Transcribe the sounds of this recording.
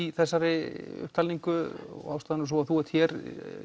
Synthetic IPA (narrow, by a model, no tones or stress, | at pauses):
iθɛsːaɾɪʏ̰hp̚t̪ʰalniŋkʏ̰ɣawfst̪aːðɪnʏs̬ɔaθuɛɾt̪çjɛɾ